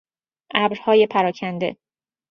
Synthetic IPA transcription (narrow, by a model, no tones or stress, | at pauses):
ʔæbɾhɒːje̞pʰæɾɒːcʰænd̪e̞̰